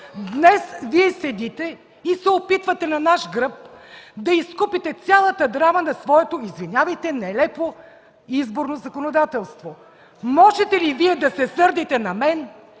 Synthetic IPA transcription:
d̪nɛsviɛsɛd̪it̪ɛ | isɛopit̪vɐt̪ɛnɐnaʃɡɾɤp̚d̪ɐiskupit̪ɛt̪sʲjalˠɐt̪əd̪ɾamənɐsvɔɛt̪oizvinʲjavɐjt̪ɛnɛlɛpo | izboɾnozɐkonod̪at̪ɛlˠst̪vo | mɔʒɛt̪ɛliviɛd̪ɐsɛsɤɾd̪it̪ɛnɐmɛn

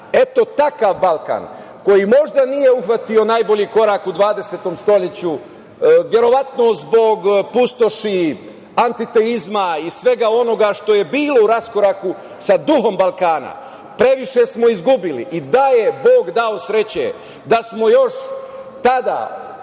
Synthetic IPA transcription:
e̞t̪o̞t̪akaʋbalˠka̰n | ko̞jimo̞ʒd̪anije̞uxʋat̪io̞najbo̞ʎiːko̞ɾakud̪ʋaːd̪eseːt̪o̞mst̪o̞ʎet͡ɕu | ʋje̞ɾo̞ʋat̪no̞zbo̞ɡpust̪o̞ʃi | ant̪it̪e̞izmaisʋe̞ɡao̞no̞ɡaʃt̪o̞je̞biːlo̞uɾasko̞ɾaku | sad̪uɦo̞mbalkaːna̰ | pɾe̞ʋiʃe̞smo̞izɡubilḭʔid̪aje̞boːɡd̪ao̞sɾe̞t͡ɕḛ | d̪asmo̞jo̞ʃt̪ad̪a̰ː

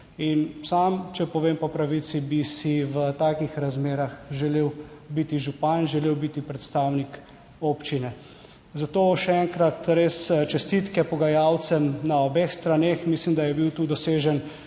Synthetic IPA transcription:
insamt͡ʃɛpɔʋeːmpɔpɾaʋit̪sibisiʋət̪aːkixɾazmeːɾaxʒɛleːwbit̪iʒupanʒɛleːwbit̪ipɾɛt̪st̪awnik | oːpt͡ʃinɛ | zat̪oːʃɛɛŋkɾat̪ɾest͡ʃɛst̪it̪kɛpɔɡajawt̪sɛmnaɔbexst̪ɾanexmislimd̪ajɛbiwt̪uːd̪ɔseːʒɛn

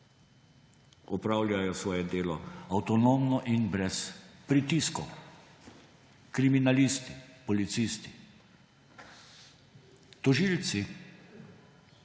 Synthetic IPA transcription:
ɔpɾaːwlʲjajɔsʋɔːjɛd̪eːlɔawt̪ɔnoːmnɔʔinbɾɛspɾit̪iskɔ | kɾiminalist̪i̥pɔlit̪sist̪i̥ | t̪ɔʒiːlt̪si

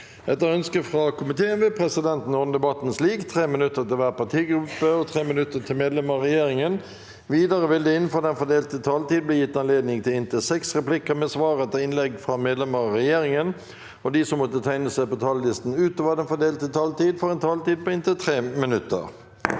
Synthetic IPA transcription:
ɛt̪ːəɾœnskəfʁɑkʰʊmɪt̪ʰeːənʋepʰʁɛsɪd̪ɛnt̪n̩ɔːnəd̪ɛbɑt̪nsliːɡt̪ʰʁeːmɪnʉt̪ːət̪ɪlʋæːʁpɑt̪ʰiːɡɾʉpːəɔt̪ʰʁeːmɪnʉt̪ːət̪ʰɪlmeːd̪lɛməʁʁɛjeːʁɪŋən | ʋiːd̪ɑʁəʋɪld̪ɛɪnfoːd̪ɛnfɔd̪eːlt̪ət̪ʰɑːlt̪iːd̪bleːjɪt̪ːɑnleːd̪nɪŋt̪ʰɪlɪnt̪əsɛksʁɛplɪkəmɛsʋɑːʁɛt̪ːəɪnlɛɡfʁɑmeːd̪lɛməɾɑʁɛjeːɾɪŋən | ɔd̪ɪsɔmːɔt̪ːət̪ʰæɪnəsæɪpɔt̪ʰɑːləlɪst̪n̩ʉːt̪ɔʋəd̪ɛnfɔd̪eːlt̪ət̪ʰɑːlt̪iːd̪fɔʁɛnt̪ʰɑːlt̪iːd̪̚pɔɪnt̪ət̪ʰʁeːmɪnʉt̪ːə̰ʁ

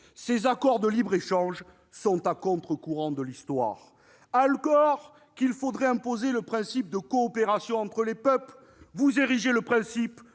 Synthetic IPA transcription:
sezakɔʁd̪əlibʁeʃɑ̃ʒ | sɔ̃t̪akɔ̃t̪χəkuʁɑ̃d̪əlist̪wa̰ʁ | aləkɔʁ | kilfod̪ʁɛɛ̃pozeləpχɛ̃sip̚d̪əkɔːpeʁasjɔ̃ɑ̃t̪χəlepœpl | vuzeʁiʒeləpχɛ̃sip

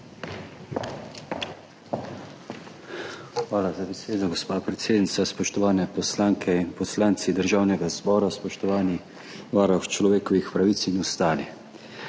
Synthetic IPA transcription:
xʋaːlazabɛseːd̪ɔɡospaːpɾɛt̪seːd̪nit̪saspɔʃt̪ɔʋaːnɛpɔslaːŋkʰɛinpɔslaːnt̪sid̪əɾʒaːwnɛɡazbɔːɾaspɔʃt̪ɔʋaːnix | ʋaːɾɔxt͡ʃlɔʋeːkɔʋixpɾaʋit̪sinɔst̪aːlix

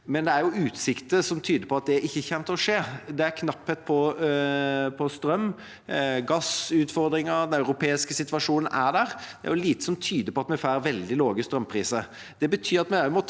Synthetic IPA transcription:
mɛnd̪ɛæɾjʊʉːt̪sɪkt̪əsɔmt̪ʰyːd̪əɾpʰɔɑt̪̚d̪ɛæɾɪçːəçɛmt̪əɾɔʂeːd̪ɛæɾkʰnɑpːhət̪̚pʰɔ | pʰɔst̪ɾœmː | ɡɑsʉːt̪fɔɾd̪ɾɪŋɑɾd̪ɛnɑʉɾʊpʰeːɪskəsɪt̪ʋɑʂuːnn̩ʔæɖ̪æːɾd̪̥ɛʔæ̰ɾjʊliːt̪əsɔmt̪ʰyːd̪əpɔɑt̪̚mɛfæːɾʋɛld̪ɪloːɡəst̪ɾœmpʰɾiːsəɾ | d̪̥ɛbət̪ʰyːɾɑt̪mɛmɔt̪

